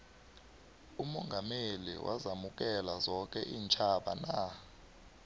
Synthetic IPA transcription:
umɔŋɡʱamelḭwʔa̰zamuk̬ɛlazɔk̬ʼɛʔiːnt͡ʃʼʰaɓana

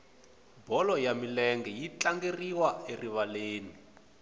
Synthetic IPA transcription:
bɔlɔjamilɛŋɡɛjit͡ɬaŋɡeriwaeriβaleːni

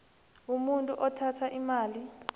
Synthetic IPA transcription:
umuntʼuʔɔtʰatʰaʔimaːli

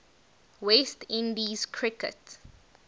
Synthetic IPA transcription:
westĩndizkʰɹikə̰t

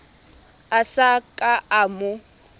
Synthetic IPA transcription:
asakʼaamʊ

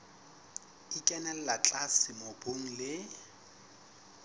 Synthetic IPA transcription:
ikʼɛnɛl̩lat͡ɬʼasɪmoboŋ̩lɪ

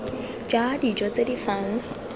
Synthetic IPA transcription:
d͡ʒadid͡ʒɔt͡sedifaːŋ̩

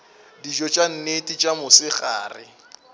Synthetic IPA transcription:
diʒɔt͡ʃʼan̩netʼit͡ʃʼamʊsɪχa̰ːrɪ̰

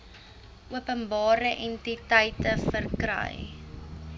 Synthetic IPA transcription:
ʔuəpənbɑːɾəʔɛntitəjtəfərkrə̰j

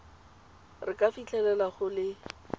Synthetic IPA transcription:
rɪkafit͡ɬʰɛlɛlaχʊlɪ

